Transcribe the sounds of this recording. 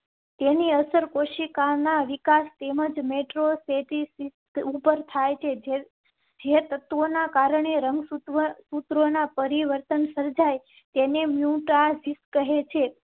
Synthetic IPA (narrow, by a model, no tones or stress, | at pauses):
t̪eniəsəɾkoʃikanaʋikast̪eməd͡ʒmeʈɾoset̪isist̪upəɾt̪ʰajt͡ʃʰed͡ʒ | d͡ʒet̪ət̪ʋonakaɾəɳeɾəŋɡsut̪ʋəsut̪ɾonapəɾiʋəɾt̪ənsəɾd͡ʒaj | t̪enemjuʈasiskəɦet͡ʃʰe